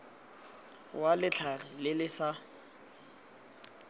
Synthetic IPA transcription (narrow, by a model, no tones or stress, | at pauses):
walɪt͡ɬʰarɪlɪlɪsa